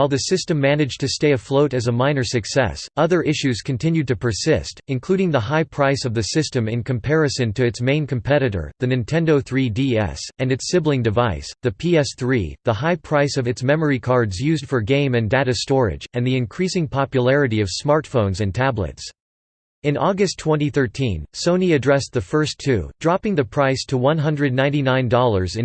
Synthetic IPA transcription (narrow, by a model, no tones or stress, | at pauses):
aɪlˠðɨsɪstɨ̃mːænɨd͡ʒtʰɨsteɪɨfloʊɾɨzəmãɪ̃nə˞sɨksɛ̰sʌðə˞ʔɪʃʉz̥kʰɨ̃ntʰɪ̃njʉd̚tʰɨpʰə˞sɪstɨ̃nkʰl̥uɾɪ̃ŋðəɦaɪpʰɹ̥aɪsʌvðɨsɪstɨ̃mɨ̃nkʰɨ̃mpʰɛɹɨsɨ̃ntʰɨɨtsmẽɪ̃nkʰɨ̃m̩pʰɛɾɨɾə̰˞ðɨnɨ̃ntʰɛ̃ndoʊθɹidiɛ̰sɨ̃nɨtsɪblɪ̃ŋdɨvaɪsðɨpʰiɛsθɹḭðəhaɪpʰɹ̥aɪsʌvɨtsmɛmə˞ikʰɑɹdzjʉzd̥fə˞ɡẽɪ̃mɨ̃ndæɾɨstɔɹɪ̰d͡ʒɨ̃nðiɨ̃nkʰɹ̥isɪ̃ŋpʰɑpjəlɛɹɨɾiʌv̥smɑɹtfõʊ̃nzɨ̃ntʰæblə̰ts | ɨ̃nʔɔɡɨstʰw̥ɛ̃ñtiθɜ˞tʰĩnsõʊniɨdɹɛsðɨfɜ˞stʰʉ̰dɹɑpɪ̃ŋðɨpʰɹ̥aɪstʰəwʌ̃nɦʌ̃ndɹɨdⁿnãɪ̃ntinãɪ̃ndɔlˠə˞zɨ̃